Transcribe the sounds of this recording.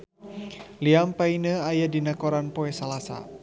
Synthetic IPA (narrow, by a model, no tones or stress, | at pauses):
liampainəajadinakɔɾanpɔɛsalasa̰